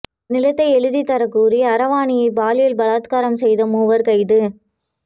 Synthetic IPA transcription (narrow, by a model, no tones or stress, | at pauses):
nɪlɐt̪ːɐɪɛɻɯðit̪ːɐɾɐkːuːriɐɾɐʋaːnɪjɐɪbaːlɪjɪlbɐlaːt̪kaːɾɐmsɛjðɐmuːʋɐɾkɐɪðɯ